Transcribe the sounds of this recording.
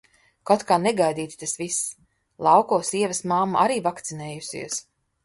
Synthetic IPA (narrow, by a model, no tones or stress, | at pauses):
kɔt̪kaːnɛɡajd̪iːt̪i̥t̪asvis | lˠɑwkɔːsiɛvɐsmamːaʔaɾiːvakt̪sineːjusḭɛs